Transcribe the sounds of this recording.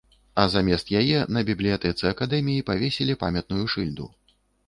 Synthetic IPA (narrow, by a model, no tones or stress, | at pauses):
ɐzamʲɛst̪jajɛnɐbʲiblʲijat̪ɛt̪sɨɐkad̪ɛmʲijipavʲesʲɛlʲipa̰mʲɛt̪̚nujuʂɨlʲd̪ṵ